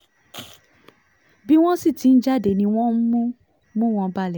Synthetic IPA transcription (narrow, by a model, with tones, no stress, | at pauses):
bi˦w̃ɔ̃˦si˦˨ti˨˦n̩˦d͡ʒa˦de˨nĩ˧w̃ɔ̃˦m̩˦mũ˦ | mũ˦w̃ɔ̃˧ba˧˦lɛ˨